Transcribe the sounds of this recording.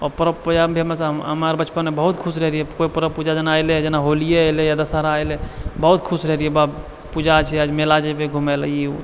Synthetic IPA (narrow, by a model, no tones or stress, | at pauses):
ɔpəɾəbpud͡ʒabʱemesɦəmaɾbət͡ʃpənmebəɦut̪kʰusɾəɦɾijekoipəɾəpud͡ʒad͡ʒənajled͡ʒenaɦolijelejad̪əsəɾaəjlebəɦut̪kʰusɾəɦɾijeba | pud͡ʒat͡ʃʰɛəd͡ʒmelad͡ʒebeɡʱumeli